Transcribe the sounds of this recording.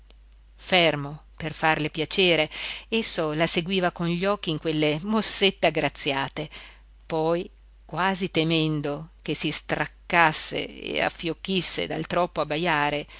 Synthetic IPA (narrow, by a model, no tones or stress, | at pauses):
fɛrmoperfarlepjat͡ʃeːɾeesːolaseɡwiːvakonʎɔkːiːŋkwelːemosːet̪ːeaɡɾat̪sːjaːt̪e | pɔj | kwaːzit̪emɛnd̪ok̟esist̪ɾakːasːḛḛa̰fːjokːisːḛd̪a̰lt̪ɾɔpːoabːajaːɾe